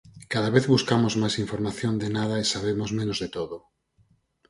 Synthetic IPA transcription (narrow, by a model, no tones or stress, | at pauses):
kaðaβeθβuskamozmajsiɱfoɾmaθjond̪enaðaesaβemozmẽnozðet̪oðo